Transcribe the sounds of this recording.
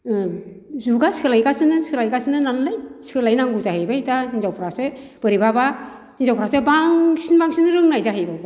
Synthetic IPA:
ɯ | zuɡasɯlajɡasɯnɯsɯlajɡasɯnɯnanlɯjsɯlajnaŋɡuzaɦɯjbajtahinzawpʰɯɾasɯ | b̥ɯɾibaba | hinzawpʰɾasebaŋsinbaŋsinɯɾɯŋnajzaɦɯjbaba

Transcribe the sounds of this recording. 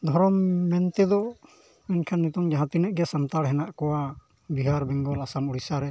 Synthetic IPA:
d̪ʱɔɾɔmːɛnt̪ɛd̪ɔ | mɛnkʰanːit̪ɔŋd͡ʒaɦãt̪inɛʔɡɛsamt̪aɽɦɛnaʔkɔwa | biɦaɾbɛŋɡɔlasamuɽisaɾɛ

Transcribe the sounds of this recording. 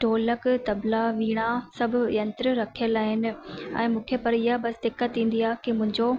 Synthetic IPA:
ʈoːləkt̪ɐblaʋiːɽ̃asɐbʱʊ̆jɐ̃nt̪ɾɾɐkʰijəlaːɦɪnɪ̆ɛ̰̃ːmũːkʰepɐɾɪɦabɐsd̪ɪkːət̪ːĩːn̆d̪iaːkimʊ̃ɦɪ̃ɲd͡ʑo

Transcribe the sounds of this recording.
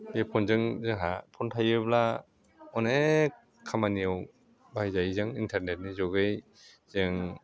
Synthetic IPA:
bepʰɔnzɯŋzɯŋɦapʰɔntʰajɯbla | ɔne | kʰamaniɯw | bajzajizɯŋintʰaɾnet̚nizɔɡɯj | zɯŋ

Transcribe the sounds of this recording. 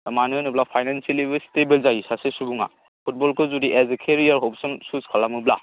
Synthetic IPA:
dɐmanɯnublapʰajnanselibestebelzajisasesubuŋa̰ | pʰut̚bɔlkʰɯzudiʔezekʰeɾijaɾɦɔp̚sɔnsuzkʰalamubla̰

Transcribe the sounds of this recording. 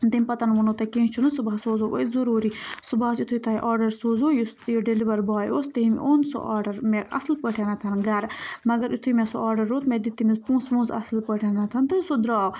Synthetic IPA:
d̪emʲpɐt̪ɐnʋunot̪ɐkẽːnt͡ʃʰunusubasoːzoːʔo̰zɐɾuːɾisubaːsit̪ʰuit̪ʰɐɦiʔaːɾɖɐɾsoːzoːjust̪joɖeliʋɐɾbaːjoːst̪ɐɦim̰ʔoːnso̰ʔaːɖɐɾmeɐ̰slpəʈʰenɐt̪ʰɐnɡɐɾmɐɡɐɾit̪ʰumesoʔaːɾɖɐɾːoːt̪med̪it̪ːimizpũːsmũːzɐ̰slpəʈʰenɐt̪ʰɐnt̪ɐsod̪ɾaːw

